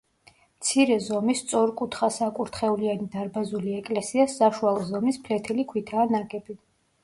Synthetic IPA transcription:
mt̪sʰiɾɛzɔmist̪sʼɔɾkʼut̪ʰχasakʼuɾt̪ʰχɛulianid̪aɾbazuliɛkʼlɛsiasaʃualzɔmispʰlɛt̪ʰɛlikʰwit̪ʰaːnaɡɛbi

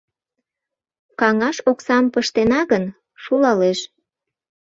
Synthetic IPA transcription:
kɑŋɑʃoksɑmpəʃt̪enɑɣən | ʃulɑleʃ

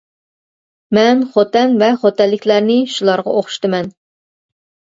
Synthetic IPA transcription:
mɛnχot̪ɛnvɛχot̪ɛlːɪkʲlæɾnɪʃulˠɑɾʁɑ̰oχʊ̥ʃt̪ɨmɛn

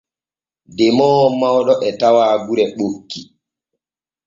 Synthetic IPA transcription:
dɛmɔːmawɗɔʔɛtawaːɡuɾɛɓokːi

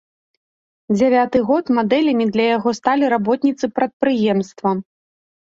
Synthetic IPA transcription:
d͡zʲavʲat̪ɨɣɔt̪mad̪ɛlʲɐmʲid̪lʲɐjaɣɔst̪alʲiɾabɔt̪nʲit̪sɨpɾɐt̪̚pɾɨjɛmst̪vɐ

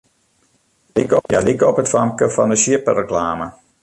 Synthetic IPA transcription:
likja̰likəɔpɦətfɑmkəfɑnəsiəpərəklaːmə

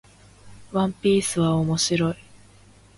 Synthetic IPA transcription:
βãmpʲiːsɨβaomo̞ɕiɾo̞i

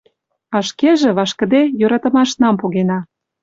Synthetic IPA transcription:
ɑʃkeʒĕβɑʃkə̆d̪ejoɾɑt̪ə̆mɑʃnɑmpoɣenɑ

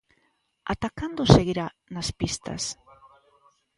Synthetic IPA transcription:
a̰t̪akand̪oseɣiɾa | naspist̪a̰s

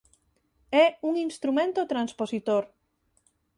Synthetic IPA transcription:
ɛuŋinst̪ɾumẽnt̪ot̪ɾansposit̪oɾ

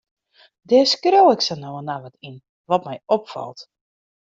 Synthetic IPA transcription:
dɛːskrowɪksənowənaʋɔtin | ʋɔtmɛjopfɔ̰lˠt

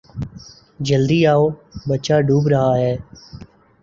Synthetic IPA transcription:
d͡ʒəld̪iːaːoːbət͡ʃaːɖʱuːbɾəɦaːɦɛː

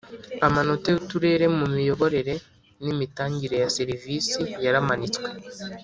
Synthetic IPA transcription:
amanoteutuɾe̞ɾe̞mumijo̞βo̞ɾe̞ɾe̞ | nimitaːɲɟiɾe̞jaseɾiviːsijaɾamanit͡swe

